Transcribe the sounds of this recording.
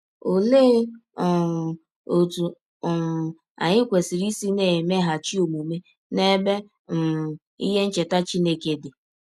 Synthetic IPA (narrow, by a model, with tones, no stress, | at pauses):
o˨le˦˨ | o˨tu˨ | a̰˨ɲɪ˦kʷe˨si˨ɾi˦si˦ne˨me˦ɦa˨t͡ʃi˦o˨mu˨me˦ | ne˦be˦ | m̩˨ | ḭ˦ɦe˦n̩˦t͡ʃe˨ta˦t͡ʃi˦ne˦ke˨dɪ˨